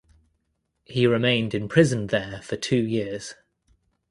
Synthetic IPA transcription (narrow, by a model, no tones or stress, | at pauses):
hiɹɪmẽɪ̃ndɪ̃npʰɹ̥ɪzə̃nðəfətʰʉːjɪəz̥